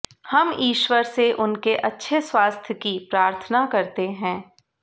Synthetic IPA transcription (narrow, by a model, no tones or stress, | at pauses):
hɐmiːʃwəɾseʔʊnkeʔɐtːʃʰeswaːst̪ʰjəkipɾaːɾt̪ʰənakɐɾt̪eɦɛ̃ː